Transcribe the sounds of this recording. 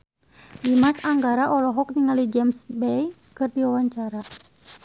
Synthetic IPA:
dimasaŋɡaɾaʔɔlɔɦɔk̚niŋalid͡ʒɛmsbɛj | kɨrdiwawaɲt͡ʃaɾa

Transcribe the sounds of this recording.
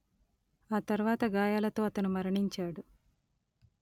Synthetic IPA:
aːt̪ɐɾʋaːt̪ɐɡaːjaːlɐt̪o̞ːɐt̪ɐnumɐɾɐɳiɲt͡ʃaːɽu

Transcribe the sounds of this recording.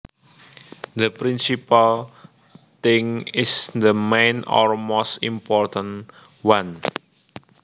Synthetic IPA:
d̪əpɾinsipal | t̪ɪ̃ŋɪsd̪əmẽnɔ̰ɹmost̪ḭmpɔrt̪ə̃n | wãn

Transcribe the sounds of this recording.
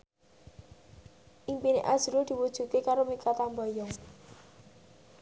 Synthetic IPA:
ʔimpinḛʔḁz̥uɾod̪̥i̤wud̥ʒ̥ṳkekaɾomikat̪ambɔjɔŋ

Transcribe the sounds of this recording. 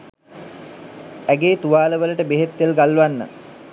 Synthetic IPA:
æɡeːt̪uʋaːləʋələʈəbeɦet̪ːelɡalːuʋanːə̰

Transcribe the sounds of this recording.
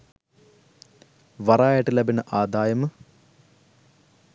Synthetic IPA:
ʋɐraːjɐʈːilɐbɐnɨʔaːd̪ʱaːjɐmɨ

